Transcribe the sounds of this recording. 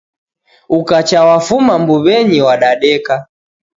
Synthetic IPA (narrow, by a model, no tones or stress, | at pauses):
ukat͡ʃawafumambuβɛɲiwaɗaɗɛka